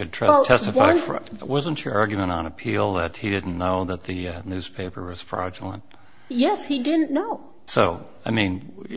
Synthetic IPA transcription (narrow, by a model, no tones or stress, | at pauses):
ɨd̚tʰɹ̥ɛtʰɛstɨfaɪfwʌznt͡ʃə̰˞ʔɑɹɡjmə̃ɾ̃n̩ɨpʰilˠðɨt̚hiɾɪdⁿn̩noʊðɨt̪̚ðɨnʉz̥pʰeɪpə˞wʌz̥fɹɑ̰d͡ʒl̩ˠə̰̃nt̚ | jɛshidɪdⁿn̩noʊ | soʊ | aɪmĩn